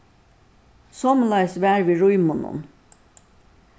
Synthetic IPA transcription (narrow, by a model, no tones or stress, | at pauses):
sɔmlɑjsʋæːɾʋiɾujmunṵn